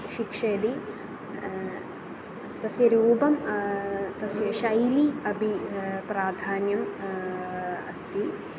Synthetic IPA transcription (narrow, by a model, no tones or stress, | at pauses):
ʃikʂeːd̪i | t̪ɐsjɐɾuːbɐm | t̪ɐsjɐʃɐjliɐbʱipɾaːd̪ʱaːnjɐm | ɐ̰st̪i